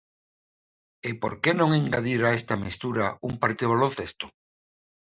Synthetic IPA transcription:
epo̰ɾkenõŋiŋɡaðiɾaest̪ɐmist̪uɾaumpaɾt̪iðoβalõn̟θest̪ʊ̥

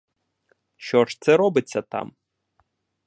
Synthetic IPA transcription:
ʃɔʂt̪sɛɾɔbɨt͡sʲːɐt̪a̰m

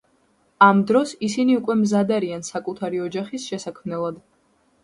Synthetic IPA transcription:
amd̪ɾɔsisiniukʼwɛmzad̪aɾiansakʼut̪ʰaɾiɔd͡ʒaχisʃɛsakʰmnɛlˠad̪

